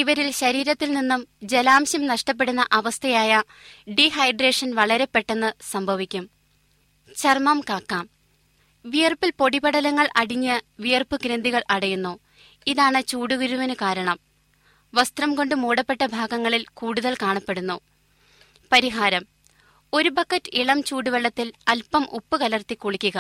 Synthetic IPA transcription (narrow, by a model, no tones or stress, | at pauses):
iʋɐɾilɕɐɾiːɾɐt̪ːilninːumd͡ʑelaːmɕjɐmnɐʂʈɐp̬ːe̞ɽunːɐʔɐʋɐst̪ʰɐjaːjɐ | ɖiɦɐjɖreːʂɐnʋɐɭɐɾe̞pːe̞ʈːe̞nːɨsɐmbʱɐʋikʲːum | t͡ɕɐrmɐmkaːkːaːm | ʋijɐrpilpo̞ɽibɐɽɐlɐŋːɐɭʔɐɽiɲːɐʋijɐrpɨkɾend̪iɣɐɭʔɐɽɐjunːu | iðaːɳɨt͡ɕuːɽuɣɐɾuʋɐnukaːɾɐɳɐm | ʋɐst̪rɐmko̞ɳɖɨmoːɽɐpːe̞ʈːɐbʱaːɡɐŋːɐɭilkuːɽuðɐlkaːɳɐpːe̞ɽunːu | pɐɾiɦaːɾɐm | o̞ɾubɐkːɐtːɨiɭɐmt͡ɕuːɽuʋɐɭːɐt̪ːilɐlpɐmʔṵpːɨkɐlɐrt̪ikːuɭikʲːuɣɐ